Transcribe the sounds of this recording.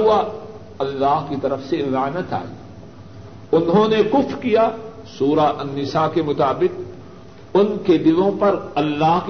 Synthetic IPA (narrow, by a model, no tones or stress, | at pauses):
ua | ɐlːaːɦkit̪ɐɾəfselaːnət̪a̰ːḭː | ʊnɦõnekʊfɾkijaː | suːɾaʔɐnːɪsakemʊt̪aːbɪq̚ | ʊnked̪ɪʋõpɐɾɐlːaːɦk